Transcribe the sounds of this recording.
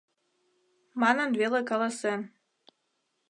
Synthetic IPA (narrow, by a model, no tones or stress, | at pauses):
mɑnə̆nvelekɑlˠɑsen